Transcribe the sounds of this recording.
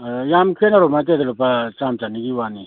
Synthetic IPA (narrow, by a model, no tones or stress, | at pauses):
jamkʰenaɾɔmat̬edalɔpat͡ʃamt͡ʃaniɡiwani